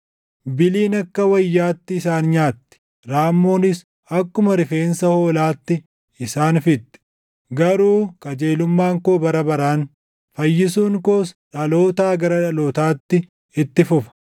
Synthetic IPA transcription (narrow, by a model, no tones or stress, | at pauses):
bɪliːnɐkːɐwɐjːaːt̪ːɪːsaːnɲaːt̪ːɪ̥ | ɾaːmːoːnɪs | ɐkːʊmɐɾɪfeːnsɐho̞ːlaːt̪ːɪ | ɪsaːnfɪt̪ːɪ̥ | ɡɐɾuːkɐd͡ʒeːlʊmːaːŋkoːbɐɾɐbɐɾaːn | fɐjːɪsuːŋkoːsᶑɐlo̞ːt̪aːɡɐɾɐᶑɐloːt̪aːt̪ːɪ | ɪt̪ːɪfʊfɐ̥